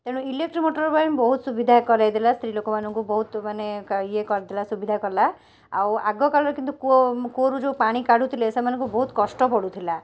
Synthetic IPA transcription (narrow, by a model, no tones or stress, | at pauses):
t̪eɽ̃ilek̚ʈɾimoʈɔɾbajmbɔɦut̪subid̪ʱakɔɾajd̪ilast̪ʰɾilokɔmanɔŋkubɔɦut̪manekaiekɔɾad̪ilasubid̪ʱakɔɾla | a̰wa̰ɡɔkalɔɾekint̪ukukoɾud͡ʒewpaɽ̃ikaɽut̪ʰilesemanɔ̃ŋkubɔɦut̪kɔsʈɔpɔɽut̪ʰila